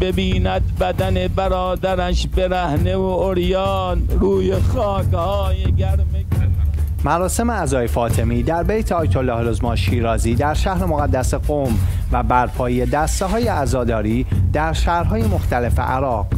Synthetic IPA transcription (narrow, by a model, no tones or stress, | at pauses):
bebiːnæd̪bæd̪ænebæɾɒːd̪æɾæʃbeɾæhneooɾjɒːnɾuːjexɒːkhɒːjeɡʲæɾme | mæɾɒːse̞meæzɒːjefɒːt̪ʰe̞miːd̪æɾbejt̪ʰeɒːjt̪ʰolːɒːhlozmɒːnʃiːɾɒːziːd̪æɾʃæhɾemoɣæd̪ːæseɢom | væbæɾpʰɒːjijed̪æst̪eɦɒːjeæzɒːd̪ɒːɾiːd̪̥æɾʃæːhɾɦɒːjemo̞xt̪æle̞fe̞̰ʔæɾɒːq